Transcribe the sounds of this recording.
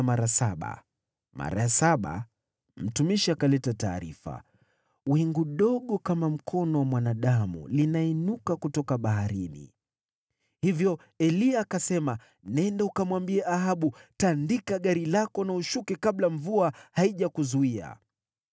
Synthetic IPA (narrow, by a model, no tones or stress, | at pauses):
maɾasaɓa̰ | mʔa̰ɾa̰jasaɓa̰ | m̩tumiʃiakalɛtataːɾḭfa̰ | wɛŋɡuɗɔɠɔkamam̩kʰɔnɔwamwanaɗamṵlinainukakutɔkaɓaɦaɾinḭ | hivjɔ | ɛliakasɛma | nɛndaukamwambiaʔaɦaɓutandikaɠaɾilakɔnauʃukɛkaɓlaɱvuahaiʄakuzuia̰